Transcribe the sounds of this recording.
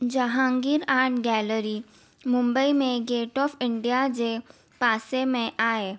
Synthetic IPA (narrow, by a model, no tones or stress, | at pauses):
d͡ʒəɦãːŋɡiɾaːɾʈɡɛːləɾi | mʊ̃mbəimẽɡeːʈɔːfɪɳɖijad͡ʒe | paːsemẽʔaːe